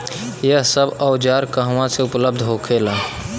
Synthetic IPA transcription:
jəsəbɔʊd͡ʒaːɾkəɦwãseʊpləb̚d̪ʱɦoːkʰelaː

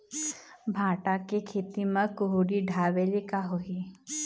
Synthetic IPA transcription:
bʱãːʈakekʰeːt̪imɐ̃kʊɦuɽiɖʱaːʋelikaɦoɦi

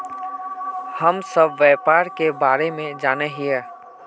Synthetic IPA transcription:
həmsəbʋɛːpaːɾkebaːɾemẽd͡ʒaːneɦiɛː

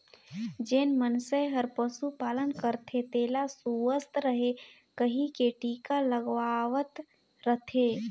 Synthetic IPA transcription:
d͡ʒeːnmənseɦəɾpəsupaːlənkəɾt̪ʰet̪eːlasuəst̪ɾəɦe | kəɦĩkeʈiːkaləɡʋaːʋət̪ | ɾət̪ʰeː

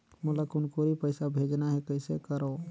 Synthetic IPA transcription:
mulakunkoɾipəɪsabʱed͡ʒnaɦekəɪsekəɾo

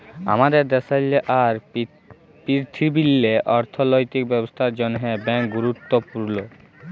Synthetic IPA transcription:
a̰mad̪eɾd̪ɛsajleʔaɾ | piɾt̪ʰibilːeʔɔɾt̪ʰolojt̪ikbɛbost̪ʰaɾd͡ʑɔnɦebɛŋkɡuɾut̪ːopuɾlo

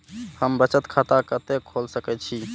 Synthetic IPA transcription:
həmbət͡ʃət̪kʰat̪akət̪ekʰolsəkɛt̪̚t͡ʃʰi

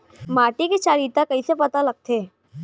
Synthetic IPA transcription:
maːʈiket͡ʃaːɾiːt̪akɐisepɐt̪alɐɡ̚t̪ʰeː

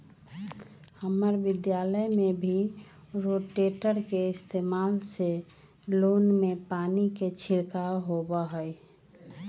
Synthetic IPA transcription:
həməɾbid̪jaləjmebʱi | ɾoʈeʈəɾkeist̪emalse | lonmepaniket͡ʃʰiɾkaɦobəɦəj

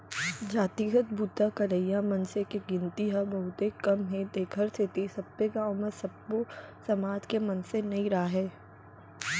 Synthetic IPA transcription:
d͡ʒaːt̪iːɡət̪̚buːt̪akɐɾəijamɐ̃nsekeɡɪ̃nt̪iɦabɐɦʊt̪ekɐmɦɛ̃d̪eːkʰəɾst̪ʰɪt̪isɐbekaɔməsɐbːosɐmaːd͡ʒkemɐnsenɐɦĩɾɐɦaɦɛː

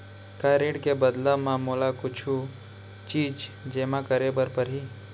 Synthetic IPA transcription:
kaːɾeʈkebəd̪lamãmolakʊt͡ʃʰu | t͡ʃiːd͡ʒd͡ʒeːmãkəɾebəɾpəɾɦiː

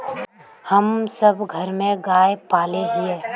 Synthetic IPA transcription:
həmsəbɡʱəɾmẽɡaːjpaːleɦieː

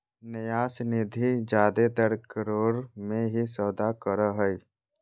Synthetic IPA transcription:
nəjaːsnɪd̪ʱid͡ʒaːd̪et̪əɾkəɾoːɾmẽɦisɔːd̪akəɾəɦə

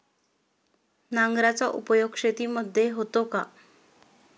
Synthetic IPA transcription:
naŋɡɾat͡saʔupəjoɡʂet̪iːməd̪ʱːjeɦot̪oka

